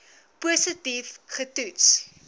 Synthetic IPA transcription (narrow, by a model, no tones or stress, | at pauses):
pusətifχətuts